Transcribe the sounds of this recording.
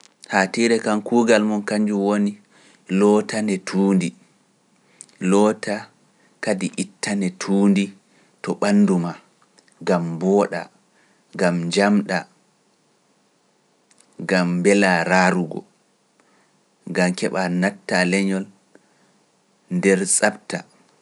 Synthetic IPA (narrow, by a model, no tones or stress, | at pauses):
hatiɾɛkankuːɡalmɔnkaɲd͡ʒuwoni | lɔtanɛtʰuːndi | lɔtʰa | kadiʔitʰːanɛtʰuːndi | tɔɓanːduma | ɡambɔːɗa̰ | ɡamɲd͡ʒamɗa | ɡambɛlaɾaːɾuɡɔ̰ | ɡamkɛɓanatːalɛɲɔl | ndɛɾsʼapta